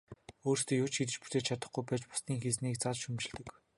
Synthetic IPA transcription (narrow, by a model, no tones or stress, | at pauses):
oːrst̪eːjʊːt͡ɕxit̪̬ɘ̆t͡ɕput̪eːt͡ɕʰat̪ə̆χɡujpæːt͡ɕpʊ̥st̪iːŋxet͡sniːk̚t͡sat͡ɕʃumt͡ɕɪ̆ɮt̪ɘ̆k